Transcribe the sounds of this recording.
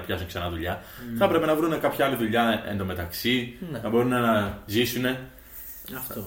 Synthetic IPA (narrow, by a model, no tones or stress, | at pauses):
ɐpçɐsuŋsenɐðuʎɐθɐpɾe̞pe̞nɐvɾune̞kɐpçɐɐliðuʎɐe̞̰nd̪ome̞t̪ɐksinɐbo̞ɾunenɐzisune̞ | ɐft̪o